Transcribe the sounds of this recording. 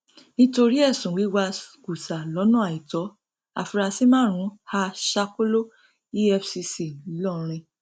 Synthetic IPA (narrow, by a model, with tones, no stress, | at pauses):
nĩ˦to˧ɾi˦ɛ˦˨sũ˨wi˨˦wa˧ku˨sa˨lɔ˨˦nũ˦a˨i˨tɔ˨˦ | a̰˨fu˨˧ɾa˧si˦mãː˦˨ɾ̃ũ˨˦ha˧ʃa˦ko˦lo˦ | i˦ɛ˧fsi˧si˨˦lɔ̃˦˨˧ɾ̃ĩ˧